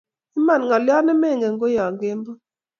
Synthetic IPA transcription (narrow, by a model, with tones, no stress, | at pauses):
i˦ma˨nŋɔ˨lɪ˦ɔ˦nɛ˦me˦˨ŋɡe˨ŋɡo˦jɔ˨ŋɡe˦mbo˦